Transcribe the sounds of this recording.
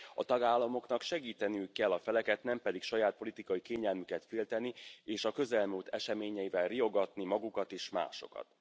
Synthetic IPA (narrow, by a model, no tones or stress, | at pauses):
ɒt̪ɒɡaːlːɒmo̞knɒkʃɛɡiːt̪ɛnyːkːɛlːɒfɛlɛkɛt̪nɛmpɛd̪ikʃɒjaːt̪̚po̞lit̪ikɒjikeːɲɛlmykɛt̪feːlt̪ɛnieːʃɒkø̞zɛlmult̪ʰɛʃɛmeːɲɛjivɛlrijo̞ɡɒt̪nimɒɡukɒt̪eːʃma̰ːʃo̞̰kɒ̰t̪